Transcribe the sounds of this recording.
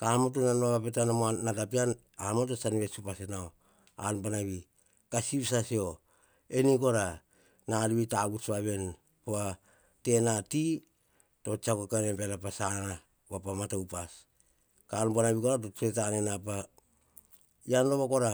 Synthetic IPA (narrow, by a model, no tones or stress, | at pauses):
kamot̬onanoβapetanamoanatapian | amot̬osaniβe̞supasenao | a̰npanaβi | kasipsasio̞ | eniko̞ɾa | naliβitaɡutsβaβe̞n | poa | te̞nati | to̞t͡ʃakokanepelapasana | βapamatawpas | kanpanaβikoɾat̬otetanenapa | janloβako̞ɾa